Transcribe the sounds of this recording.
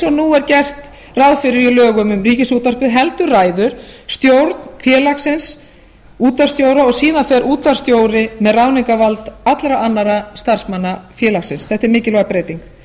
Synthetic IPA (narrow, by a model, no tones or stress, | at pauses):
sɔnuɛɾcɛr̥t̪ | rawðfɪɾɪɾilœːɣʏmʏmriːcɪsuːt̪ar̥pɪðɦɛlt̪ʏraːjðʏɾ̥st̪jowɾt̪nfjɛːlaksɪns | uːt̪vaɾst̪jowɾaɔɣsiːðafɛɾuːt̪vaɾ̥st̪joːwɾɪmɛðrawniŋkavalt̪at̪lɾaʔanːaɾast̪ar̥smanːafjɛːlaksɪnsθɛht̪ɪɾmɪːcɪlɔɣapɾeːjt̪iŋk